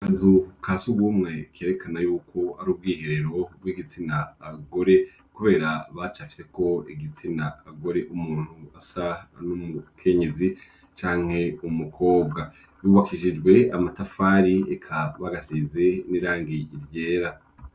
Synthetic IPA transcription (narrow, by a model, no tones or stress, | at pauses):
azukʰasuɡuːmŋe̞keːɾe̞kʰanajuːkʰo̞aɾuːb̚ɡiːhe̞ɾe̞ɾo̞b̚wiɡit͡sinaːɡo̞ɾe̞ | kuβe̞ːɾaβat͡ʃafi̥se̞ko̞iɡit͡sinaːɡo̞ɾe̞ʔumuːn̥huasanumukʰe̞ɲe̞zi | t͡ʃaːŋ̥he̞umukʰo̞ːbɡa | βuːβakʰiʃid͡ʒɡwe̞amatafaːɾiekʰaβaɡasizeniɾaːŋɡiiɾɟeːɾa